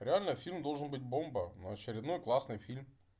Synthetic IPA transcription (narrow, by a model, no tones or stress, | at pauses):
ɾʲɪalʲnəfʲilʲmd̪o̞lˠʐɨnbɨt̚ʲbo̞mbənəɐt͡ɕɪɾʲɪd̪nojklˠasnɨjfʲilʲm